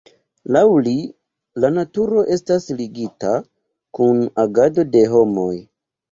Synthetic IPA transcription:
lawli | lanatuɾo̞ʔe̞stasliɡita | kunaɡado̞de̞ɦo̞mo̞j

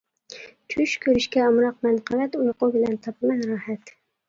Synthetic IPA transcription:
t͡ʃʰʊʃkʰɵɾɪʃkʲaɒmɾɑq̚manqʰɑlat̪ojqobɪlant̪ʰɒpʰɪmanɾɑhat̪

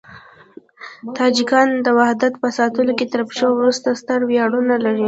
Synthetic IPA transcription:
t̪ɑd͡ʒikɑnd̪əwahd̪at̪pəsɑt̪əloket̪əɾpʃəwwɾust̪ast̪əɽwjɑɽunalaɾi

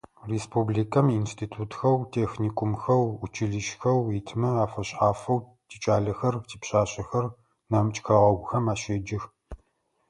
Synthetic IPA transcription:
reːspʰubliːkʰɐminstʰiːtʰuːtxɐwtʰeːxniːkʷʼʊmxɐwut͡ʃʰɪɮɨʃxɐwitʰmɐaːfɐɕʼaːfɐw | tʰiːt͡ʃʼaːɮɐxɐrtʰiːpɕʼaːɕʼɐxɐr | nɐmt͡ʃʼxɐʁɐɡʷʊxɐmaːɕed͡ʒɪx

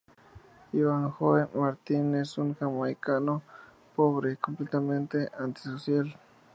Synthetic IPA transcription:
iwaŋxoemaɾt̪inesuŋkamajkaʔno | poβɾekomplet̪ament̪eʔant̪i̥sosjal

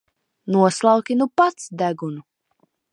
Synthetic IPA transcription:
nuɔslˠɑwkʲinupat̪sd̪æɡunu

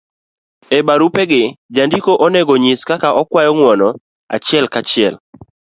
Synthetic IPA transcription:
ebaɾupɛɡɪd͡ʒandikoʔɔnɛɡɔɲɪskakaʔɔkwajɔŋwɔnɔ | a̰t͡ʃɪɛlkat͡ʃɪɛl

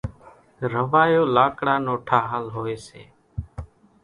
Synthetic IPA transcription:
ɾəʋaːjoːlaːkɽaːnoːʈʰaːɦaːlɦoːeːsḛː

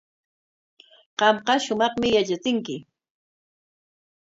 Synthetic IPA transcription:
qɑmqɑʃʊmɑχmɪjat͡ʃat͡sɪŋkɪ

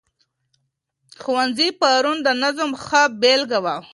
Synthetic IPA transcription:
xuwanzipaɾund̪ənazəmxəbelɡawa

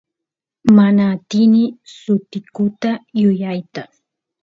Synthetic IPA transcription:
manaːt̪ɪnɪsʊt̪ɪkʊt̪ajʊjajt̪a

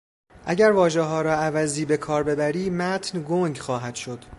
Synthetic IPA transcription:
ʔæɟæɾvɒːʒeɦɒːɾɒːævæziːbe̞kʰɒːɾbe̞bæɾiːmæt̪ʰnɡoŋɡxɒːɦæd̪̥ʃod̪̥

